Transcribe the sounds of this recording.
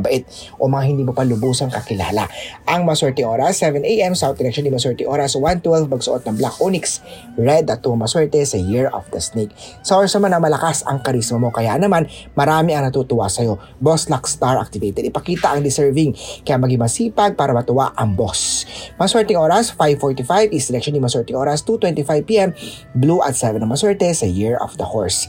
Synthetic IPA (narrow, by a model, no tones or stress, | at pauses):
bɐʔɛt̪̚ | ʔo̞mɐŋahɪnd̪iːmopɐlʊbuːsɐŋkɐkɪla̰ːla̰ʔɐŋmɐɐswɛɹt̪ɪŋʔo̞ːɾɐsːɛvɛnʔejʔɛmsawt̪̚d̪ɪɾɛkʃonɪmɐɐswɛɹt̪ɪŋʔo̞ːɾɐswant̪wɛlvmɐɡsʊʔot̪nɐŋblakʔunɪks | ɹɛd̪ɐt̪̚ːuɐmɐswɛɹt̪ɛsɐjiɹo̰fd̪ɐsnek̚sɐʔoːɾɐsnɐmanɐŋmɐlɐkasɐ̰ŋkɐɾismɐmo̞kɐja̰ʔnɐmanmɐɾaːmɪɐŋnɐt̪ut̪ʊwa̰sɐjo̞ | boslakst̪aɹʔa̰k̚t̪ɪvejt̪ɛd̪ɪpɐkiːt̪ɐʔɐŋd̪ɪsɛɹvɪŋkɐjaʔmɐɡiŋmɐsiːpɐɡ̚paːɾɐmɐt̪ʊwa̰ʔɐŋbosmɐɐswɛɹt̪ɪŋʔo̞ːɾɐsfajvfoɹt̪ifajvɪsɛlɛkʃonɪmɐswɛɹt̪ɪŋʔo̞ːɾɐst̪ut̪wɛnt̪ifajvpiːʔɛm | bluʔɐt̪sɛvɛnɐŋmɐswɛɹt̪ɛsɐjiɹɔ̰fd̪ɐho̰ɹs